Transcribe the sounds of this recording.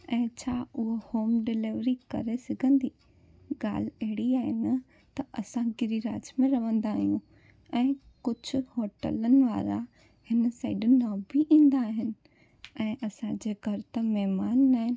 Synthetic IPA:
ɛ̃ːt͡ɕʰaːʊɦohoːmɖɪlɪʋɾikɐ̰ɾesɐɡʱə̃nd̪iː | ɡa̰ːl̤ɐɦɪɽiaːɦɪnɐ | t̪ɐʔɐsãɡɪɾiɾa̰ːd͡ʑmẽɾɐʋə̃nd̪aːɦijũ | ɛ̃ː | kʊd͡ʑʱʊ̆hoːʈə̰lənɪ̆ʋaːɾa̰ | hɪnəsaːɪɖʊnɪ̆ãbiʔĩːnd̪aːɦɪnɪ̆ | ɛ̃ːʔɐsãd͡ʑeːɡʱɐɾt̪ɐmɛɦmaːnːaːɦɪnɪ̆

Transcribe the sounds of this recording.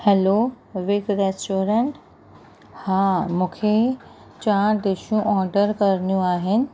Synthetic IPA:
hɛlo | ʋɪɡɾesʈoːɾẽɳʈ | hãːmũːkʰe | t͡ɕaːd̪eːʃjũʔɔːɾɖəɾkɐɾnijũaːɦɪnɪ̆

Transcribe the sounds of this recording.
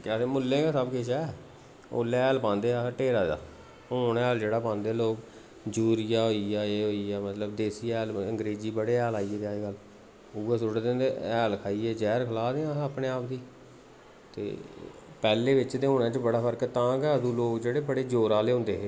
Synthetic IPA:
kːsẽːmʊlːẽːɡaːsəbkɪʃɛː | o̰ːlɛːlpãːnd̪eːaːʈeːɾaːd͡ʒa̰ː | oːnɛːld͡ʒeːɽaːpãːnd̪eːloːk | d͡ʒuːɾɪjaːɦoːiːaːeːɦoːiːɛːmət̪ləbd̪eːsiːɛːləŋɡɾeːziːbəɽeːɛːlaːiːeːd̪eaːiːɡəl | ueːsʊɽd̪ẽnd̪eɛːlkʰaːiːeːd͡ʒɛːɾkʰəlaːd̪eãːaːpneːaːpd̪iː | t̪ḛːpɛːleːʋɪt͡ʃt̪eːoːnẽːt͡ʃbəɽaːpʰəɾkt̪ãːkɛːd̪ũːloːkd͡ʒeːɽeːbəɽeːd͡ʒoːɾaːleːɦõːnd̪eːɦeː

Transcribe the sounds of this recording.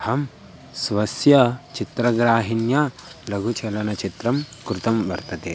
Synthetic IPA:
hɐm | sʋɐsjɐt͡ʃit̪ɾɐɡɾaːɦinjalɐɡʱut͡ʃɐlɐnɐt͡ʃit̪ɾɐmkɾut̪ɐmʋɐɾt̪ɐt̪e

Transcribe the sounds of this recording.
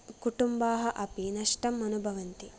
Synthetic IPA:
kuʈumbaːɦɐʔɐpinɐʂʈɐmːɐnubʱɐʋɐnt̪i

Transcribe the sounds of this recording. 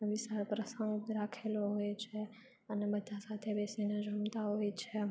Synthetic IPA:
ʋɪsaɾpɾəsəŋɡɾakʰeloɦojt͡ʃʰe | ənebəd̪ʱasat̪ʰebesined͡ʒəmt̪aɦojt͡ʃʰe

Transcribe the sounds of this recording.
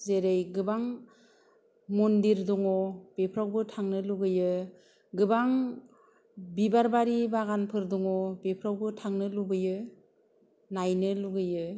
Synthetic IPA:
zeɾejɡɯbaŋ | mundiɾduŋɔb̥epʰɾawbɯtʰaŋnɯluɡɯjɯ | ɡɯbaŋ | bibaɾbaɾibaɣanpʰɯɾduŋɔbepʰɾawbɯtʰaŋnɯluɡɯjɯ | najnɯluɡɯjɯ

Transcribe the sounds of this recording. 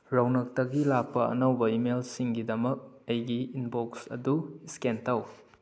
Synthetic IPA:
ɾawnɐk̚tɐɡilak̚pɐɐ̰nɐwbɐimelsiŋɡidɐmɐk̚ɐjɡiinboksɐ̰duiskentaw

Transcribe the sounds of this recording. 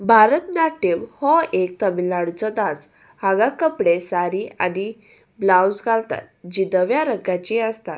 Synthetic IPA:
bʱaɾət̪naʈːeʋhɔek̚t̪əmilːaɽut͡sɔd̪as | haɡakəpɽesaɾiani | blawsɡalt̪a̰t̪̚d͡ʑid̪əʋjaɾəɡat͡ɕiəst̪at̪

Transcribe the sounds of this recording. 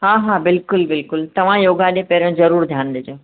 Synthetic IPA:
ɦaːɦaːbɪlkʊlbɪlkʊlt̪ɐʋ̤ãjoːɡaɗẽpɛːɾə̃ɽ̃zɐɾuːɾd̪ʱjaːnd̪ed͡ʑẽ

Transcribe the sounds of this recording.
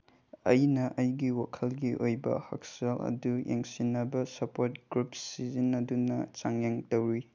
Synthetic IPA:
ɐjnɐʔɐjɡiwakʰɐlɡiʔojbɐ̰hɐ̰k̚salɐ̰dujḛŋsinɐbɐsɐpoɾtɡɾupsizinɐdunɐt͡ʃaŋjaŋtɐwɾi

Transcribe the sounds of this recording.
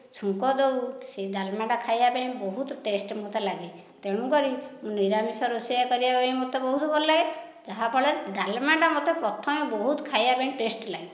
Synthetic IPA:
t͡ʃʰũŋkɔd̪owsed̪almaɳɖakʰajabaj̃bɔɦut̪ʈesʈmot̪elaɡi | t̪eɽ̃ũkɔɾimũniɾamisɔɾusijakɔɾibabaj̃mot̪ebɔɦuɦebɔlaj | d͡ʒaɦapʰɔɭeɾd̪almaɳɖamɔt̪epɾɔt̪ʰɔmɔbɔɦut̪ɔkʰajabaĩʈesʈlai

